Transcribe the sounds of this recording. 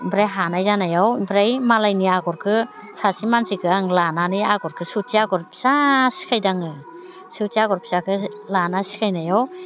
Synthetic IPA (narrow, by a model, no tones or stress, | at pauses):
bɾajɦanajdanajawibɾajmalajniaɡɔɾkʰɯ | sasimansikʰɯaŋlananiaɡɔɾkʰɯsutʰiaɡɔɾpʰi̥sasi̥kʰajdaŋɯ | sutiaɡɔɾpʰi̥zakʰɯlanasi̥kʰajnajaw